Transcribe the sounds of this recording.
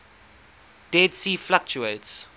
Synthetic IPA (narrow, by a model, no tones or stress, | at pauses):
d̥ɛdsiːflak̚t͡ʃuets